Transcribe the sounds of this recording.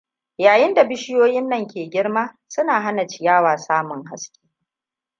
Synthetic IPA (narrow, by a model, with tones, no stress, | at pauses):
jaː˨jɪ˦nda˨bɪ˦ʃɪ˦joː˦jɪ˦nːɐ˨ŋkʲeː˨ɡʲɪ˦ɽmaː˦ | sʊ˦naː˨ɦa˦na˨t͡ʃɪ˨jaː˦waː˨saː˦mʊ˨ŋha̰˦skʲe̥ː˦